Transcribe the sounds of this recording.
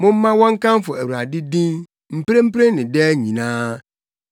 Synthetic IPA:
mʊ̃˦m̩˦mã˦wɔ̃˦ŋ̩˦kã˦m˦fʊ˨æ˨wu˨ɾa˨dɪ˦dĩ˦n | m̩˦pɾe˦m̩˦pɾe˦nɪ̃˨dɛ˦ɲĩ˨nãː˦

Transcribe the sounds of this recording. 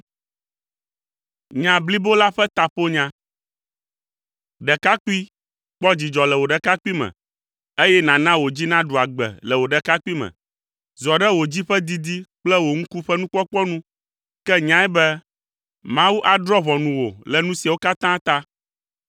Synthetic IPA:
ɲã˨bli˦bo˦la˦ɸɛ˦t̪a˨ɸo˦ɲã˦ | ɖɛ˨ka˦ku˦i˦ | k͡pɔ˦d͡ʑi˨d͡ʒɔ˨lɛ˨wo˨ɖɛ˨ka˦ku˦i˦mɛ̰̃˨ | e˦jɛ˦nã˨nã˦wo˨d͡ʑi˦nã˦ɖu˨a˨ɡ͡bɛ̰˨lɛ˨wo˨ɖɛ˨ka˦ku˦i˦mɛ̰̃˨ | zɔ˨ɖɛ˦wo˨d͡ʑi˦ɸɛ˦d̪i˦d̪i˦k͡plɛ˦wo˨ŋ̩̃˦ku˦ɸɛ˦nũ˦kɔ˦k͡pɔ˦nũ˦ | kɛ˦ɲã˦ɛ˦bɛ˦ | mã˦wu˦ʔa˨d̪ɾɔ˦βɔ˨nũ˨wo̰˨lɛ˨nũ˦si˨a˨wo˦ka˦t̪ã˦t̪a˦

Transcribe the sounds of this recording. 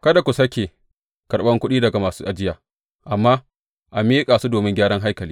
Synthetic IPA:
kɐ˦da˨kʷu˨sɐ˦kʲe˨ | kɐ˨rɓɐ˦ŋkʷʊ˦ɗiː˦dɐ˨ɡa˨maː˨suː˦ʔa˨d͡ʒɪ˦jaː˨ | ʔa˨mːaː˦ | ʔa˨miː˦kʼaː˨su˦doː˨mɪ˦ŋɡʲaː˦ɽɐ˦ŋɦa˦jkɐ˨liː˦

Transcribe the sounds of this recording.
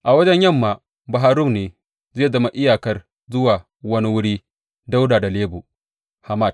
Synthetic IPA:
ʔa˨wɐ˦d͡ʒɛ˦ɲjɐ˦˨mːaː˨ | ba˨ɦaː˦ɾʊ˦mneː˨ | zeː˦˨zɐ˦ma˦ʔɪ˦jaː˨kɐ˦r | zʊ˦waː˨ | wɐ˦ni˦wʊ˦ɽiː˦ | da˦wdaː˨da˨leː˦bu˨ | ha˨ma˦˨t

